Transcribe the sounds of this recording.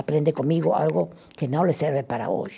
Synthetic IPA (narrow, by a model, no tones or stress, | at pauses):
apɾend̪ekonmiɣoa̰lɣo | kenoleseɾβepaɾa̰o̰j